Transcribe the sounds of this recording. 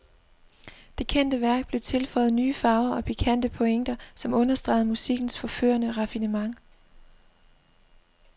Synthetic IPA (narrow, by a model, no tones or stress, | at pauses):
d̥e̝kʰen̰d̥əʋæɐ̰ɡ̥̚b̥le̝t͡sʰe̝lfɒ̽ɪð̞̩ˠnyːfɑ̈ʊɐɒ̽pʰikʰæn̰d̥əpʰoeŋ̰d̥ɐsɒ̽mɔ̽nɐsd̥ʁɑ̰̈ɪð̩ˠmusiɡ̥n̩sfɒ̽fø̰ːɐnəʁɑ̈finəmɑ̈ŋ